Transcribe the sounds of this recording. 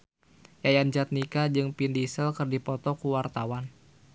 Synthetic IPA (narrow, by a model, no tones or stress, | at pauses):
jajand͡ʒat̪̚nikad͡ʒɨŋpindisɛlkɨrdipɔt̪ɔkuwart̪awan